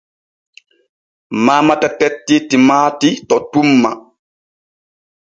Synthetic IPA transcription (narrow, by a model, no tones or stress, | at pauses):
maːmatatɛtːitimaːtitɔtumːa